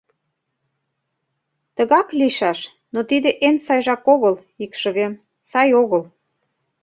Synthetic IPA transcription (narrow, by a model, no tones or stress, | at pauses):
t̪əɣɑkliʃɑʃ | not̪id̪eʔensɑjʒɑkoɣəl | ikʃə̆βem | sɑjoɣəl